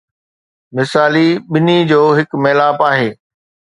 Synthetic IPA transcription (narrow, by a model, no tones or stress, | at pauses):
mɪsaːliɓɪnid͡ʑoːɦɪkmeːlaːpaːɦeː